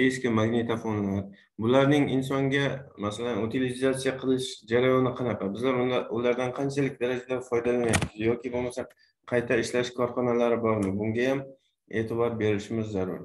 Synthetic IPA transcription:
e̞ʃkʲɪmːaɡne̞t̪ʰafonlaɾ | bʊlaɾnɪŋɪnsɒŋɡʲamasalanʊt̪ʰilɪzat̪sijaqʰɨlˠɪʃd͡ʒaɾajɒnɪqʰɑnɑqɑbɪzlaɾʊlaɾd̪anqʰɑnt͡ʃʰalɪk̚ʲd̪aɾad͡ʒad̪afɒjd̪alanjapːɪzjɒkʲɪbolˠmasa | qʰɑjt̪ʰaɪʃlaʃkʰɒɾχɒnalaɾɪbɒɾmɪbʊŋɡʲajam | e̞ːt̪ʰɪbɒɾbe̞ɾɪʃɪmɪzːaɾʊɾ

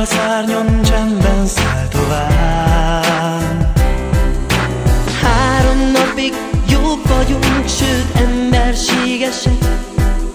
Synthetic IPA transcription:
ɒzaːrɲont͡ʃɛnbɛnsalt̪ovaː | haːɾo̞mnɒpiɡ | joːbvɒɟuŋkʃøːt̪ɛmbɛrʃeːɡɛʃɛk

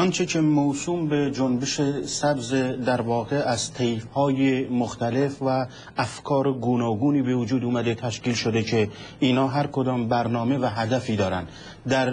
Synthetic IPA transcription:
ɒnt͡ʃʰecʰemosuːmbed͡ʒonbeʃesæbzed̪æɾvɒːɣeʔæz̥t̪ʰejfhɒːjemoxt̪æle̞fvæː | fkʰɒːɾeɡuːnɒːɡuːniːbevud͡ʒuːd̪uːmæd̪e̞t̪ʰæʃkiːlʃod̪ekʰe | iːnɒːɦæɾkʰod̪ɒːmbæɾnɒːme̞væɦæd̪æfiːd̪ɒːɾæ̰nd̪ | d̪æɾ

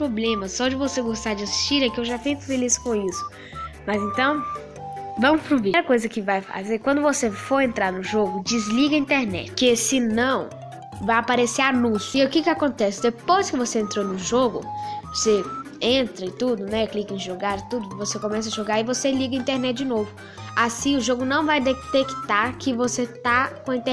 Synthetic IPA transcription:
pɾoblẽmɐsɔd͡ʒɪvoseɡost̪ad͡ʒɪasi̥st͡ʃiɾɛkɪewʒafijkʊ̥feliskõisʊ̥ | mɐzẽnt̪ɐ̃w̃ | vɐ̃mʊspɾubiɾɐkojzɐkɪvajfa̰zeɾkwɐ̃nd̪ʊvosefoɾẽnt̪ɾaɾnʊʒoɡʊd͡ʒizliɡɐĩnt̪eɾnɛ̰t͡ʃkɪsɪnɐ̃w̃ | vajapaɾeseɾanũsʊɪʊkɪkɪakõnt̪ɛsɪ̥d̪epojskɪvoseẽnt̪ɾonʊʒoɡʊ̰ose | ẽnt̪ɾɐɪt̪ud̪ʊnɛklikẽʒoɡaɾɪt̪ud̪ʊvosekõmɛs̬ɐʒoɡaɾɪvoseliɡɐĩnt̪eɾnɛt͡ʃ̚d͡ʒɪnovʊ | asĩʊʒoɡʊnɐ̃w̃vajd̪et̪ekt̪aɾkɪvoset̪akõɐĩt̪e

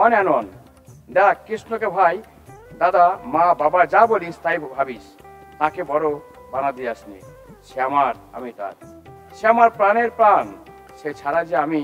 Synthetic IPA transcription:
ɔnanon | d̪akɾisnokebʱaj | d̪ad̪amãbabad͡ʒabolist̪ajbʱabis | t̪ãkebɔɾobanad̪iasniʃeamaɾ | a̰mit̪a̰ɾ | ʃeamaɾpɾaneɾpɾan | ʃet͡ʃʰaɾad͡ʒeami

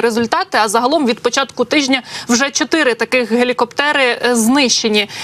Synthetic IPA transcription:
ɾezʊlʲt̪ɑt̪ɪɐzɐɦɐlˠɔmʋʲid̪pɔt͡ʃɑt̪kʊt̪ɪʒʲnʲɐwʒɛt͡ʃɔt̪ɪɾɪt̪ɐkɪxɦelʲikɔpt̪ɛɾɪznɪʃt͡ʃenʲi

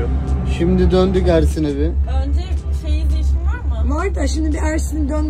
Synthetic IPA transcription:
ʃimd̪id̪ønd̪ykæɾsinebɪønd͡ʒɛʃejid̪eʃinvaɾmɯmaɾt̪ʰaʃimd̪ibiæɾsinid̪øn

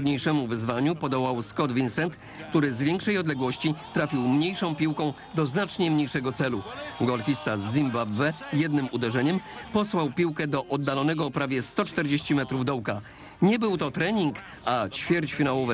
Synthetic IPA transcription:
d̪ɲejʂɛmuvɘzvaɲupɔd̪ɔwawskɔd̪vʲinsɛnt̪ | kt̪uɾɘzvʲjɛŋkʂɛjɔd̪lɛɡwɔɕt͡ɕit̪ɾafʲiwmɲejʂɔ̃w̃pʲiwkɔ̃w̃ | d̪ɔznat͡ʂɲɛmɲejʂɛɡɔt̪sɛluɡɔlfʲist̪azːimbabvɛjɛd̪̚nɘmud̪ɛʐɛɲɛmpɔswawpʲiwkɛd̪ɔʔɔd̪ːalɔnɛɡɔːpɾavʲjɛst̪ɔt͡ʂt̪ɛɾd͡ʑeɕt͡ɕimɛt̪ɾuvd̪ɔwka | ɲɛbɘwt̪ɔt̪ɾɛɲiŋk | at͡ɕfʲjɛɾt͡ɕfʲinawɔvɛ

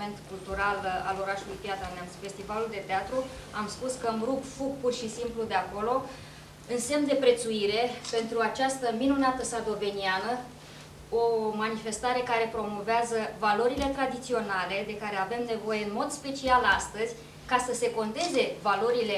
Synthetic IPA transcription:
ent̪kult̪uɾala̰lo̞ɾaʃulujpiat̪ɾanamsfe̞st̪ivaluld̪e̞t̪eat̪ɾu | amspuskəmɾuɡfuɡ̚purʃisimplud̪e̞ako̞lo̞ | ɨnse̞md̪e̞pɾe̞t̪suiɾe̞pe̞nt̪ɾuat͡ʃast̪əminunat̪əsard̪o̞ve̞nianə | o̞manife̞st̪aɾe̞kaɾe̞pɾo̞mo̞veazəvalo̞ɾile̞t̪ɾad̪it̪sio̞nale̞d̪e̞kaɾe̞ave̞mne̞vo̞je̞ɨnmo̞d̪spe̞t͡ʃialast̪əzʲ | kasəse̞ko̞nt̪e̞ze̞valo̞ɾile̞

